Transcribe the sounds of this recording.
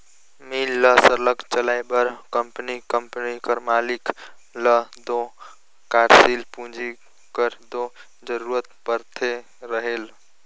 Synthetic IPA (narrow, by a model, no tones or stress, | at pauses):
milːəsəɾləkt͡ʃəlajbəɾkəmpnikəmpnikəɾmalik | ləd̪o | kaɾsilpũd͡ʒi | kəɾd̪o | d͡ʒəɾuɾət̪pəɾt̪ʰe | ɾəɦel